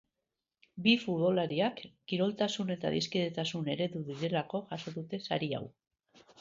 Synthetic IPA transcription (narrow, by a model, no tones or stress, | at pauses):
bifut̪βo̞laɾiakː | iɾo̞lt̪asune̞t̪a̰ðiskið̞et̪asune̞ɾe̞ðuðiɾe̞lako̞ʝaso̞ðut̪e̞sa̰ɾia̰w